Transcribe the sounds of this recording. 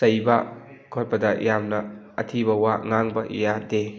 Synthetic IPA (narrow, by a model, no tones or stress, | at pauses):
sɐjbɐ | kʰot̚pɐdɐjamnɐ̰ː | tʰibɐwaŋaŋbɐʔḭjade